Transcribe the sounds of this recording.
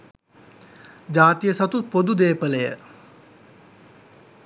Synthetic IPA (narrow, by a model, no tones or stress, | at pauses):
d͡ʑaːt̪ijəsɐt̪upod̪ud̪eːpəlejə̰